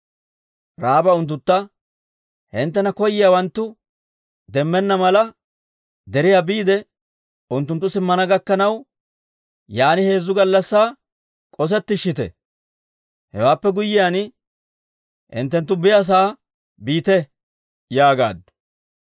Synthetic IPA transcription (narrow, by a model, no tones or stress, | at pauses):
ɾaːbɐʊnt̪̬ːʊt̪ːɐ | hɪnt̪ːɛnɐkɔjːɪjawɐnt̪ːʊ | d̪ɛmːɛnːɐmɐlɐ | d̪ɛɾɪjabiːd̪ɛ | ʊnt̪ːʊnt̪ːʊsɪmːɐnɐɡɐkːɐnɐw | jaːnɪhe̞ːzːʊɡɐlːɐsːaː | kʼɔs̬ɛt̪ːɪʃːɪt̪ɛ̰ | hɛ̰waːpːɛɡʊjːɪjaːn | ʔɪ̰nt̪ːɛnt̪ːʊbɪjɐs̬aː | biːt̪ɛ | jaːɡa̰ːd̪ː